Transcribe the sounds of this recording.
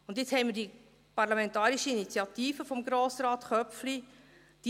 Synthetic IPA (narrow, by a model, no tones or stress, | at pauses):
ʊndɪt͡shɛɪmɪɾd̥i | pɑɾlɑmɛntɑːɾiʃəinit͡sjɑt̪iːfəfɔmɡɾoːsɾɑːt̪χœfli | d̥i